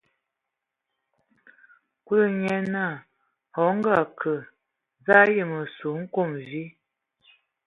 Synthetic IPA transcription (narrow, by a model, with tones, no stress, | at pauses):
kwu˦lə˦˨ɲɛ˦na˦˨ | hɔ˨˦ŋ˦ɡa˦˨kʰə˨ | za˦jə˦˨mə˨su˨˦ŋ̩˦ko˦˨mvi˦